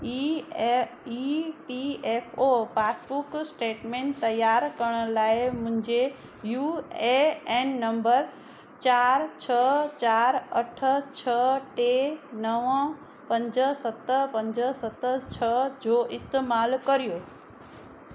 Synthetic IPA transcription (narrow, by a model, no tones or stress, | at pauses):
ipieːpʰopʰaːsbuksʈeːʈmẽːnt̪ɐjaːɾkɐɾɽ̃ə̆laːɪmʊ̃ɦɪ̃ɲd͡ʑe | juːeeːnːɐ̃mbəɾ | t͡ɕaːɾt͡ɕʰət͡ɕaːɾɐʈʰə̆t͡ɕʰəʈenəʋə̃ | pɐ̃ɲd͡ʑəsɐt̪əpɐ̃ɲd͡ʑəsɐt̪ət͡ɕʰəd͡ʑoːʔɪst̪eːmaːlkɐɾijoː